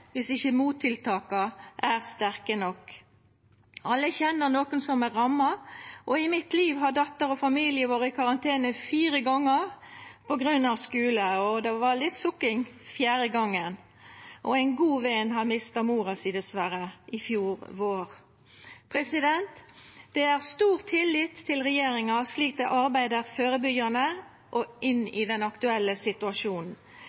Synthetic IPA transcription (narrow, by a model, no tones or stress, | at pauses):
ʋɪsɪçəmuːt̪ʰːɪlt̪ʰɑːkɑʔæʁst̪æʁkənɔk | ɑlːəçɛnːəʁnoːkənsɔmæɾɑmːɑʔɔɪmɪt̪ʰliːʋɦɑɖ̪ɑt̪ːəɾɔfɑmiːlɪəʋoːʁəɪkʰɑʁɑnt̪ʰeːnəfiːɾəɡɔŋːəʁpɔɡɾʉnːɑʋskʉːləɔd̪ɛʋɑlɪt̪sʊkɪŋfjæːɾəɡɔŋːən | ʔɔæɪnɡuːʋɛnɦɑʁmɪst̪ɑmuːʁɑsɪd̪ɛsʋæɾəʔɪfjuːɾʋoːɾ | pʰʁɛsɪd̪ɛnt̪d̪̥ɛæʁst̪uːʁt̪ʰːɪlːɪt̪ʰːɪlʁɛjeːɾɪŋɑsliːk̚d̪ɛʔɑɾbæɪd̪əɾføːɾəbʏɡənə | ʔɔʔɪnɪ̰d̪ɛnɑkt̪ʉɛlːəsɪt̪ʉɑʃuːnn̩